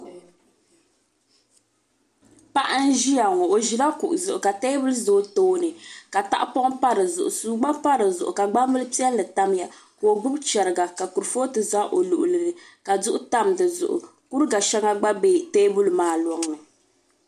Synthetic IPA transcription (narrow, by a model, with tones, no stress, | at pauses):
pa˦ʔa˦n̩˦ʒi˦ja˨ŋɔ˨o˨ʒi˨ɾa˦ku˨ʔʊ˨zʊ˨ʔʊ˨ka˨teː˦bu˦lzoː˨˦toː˦nɨ˨ka˨ta̰˦ʔpɔ˦ʔpa˦ɾɨ˨zʊ̰˨ʔʊ˨suː˦ɡ͡ba˦pa˦ɾɨ˨zʊ˨ʔʊ˨ka˨ɡ͡ba˦mbɨ˦lɨ˦pi˦ɛ˦lːɨ˨ta˦m˦ja˨ko˨o˨ɡ͡bʊ˦bt͡ʃɛ˨ɾɨ˨ɡa˨ka˨ku˨ɾfoː˦tɨ˨za˦ʔo˨lu˨ʔʊ˨lɨ˨nɨ˨ | ka˨zʊ˦ʔʊ˦ta˦mdɨ˨zʊ̰˨ʔʊ̰˨ | ku˦ɾɡa˨ʃɛ˦ŋa˦ɡ͡ba˦beː˦teː˦bu˦lmaː˨˦˨lɔ˨ŋnɨ˨